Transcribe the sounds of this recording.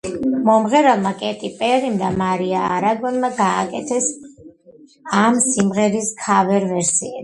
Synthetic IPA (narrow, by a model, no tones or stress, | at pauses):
mɔmʁɛɾalˠmakʼɛt̪ʼipʼɛʁimd̪amaɾiaːɾaɡɔnmaɡaːkʼɛt̪ʰɛs | amsimʁɛɾiskʰavɛɾvɛɾsiɛ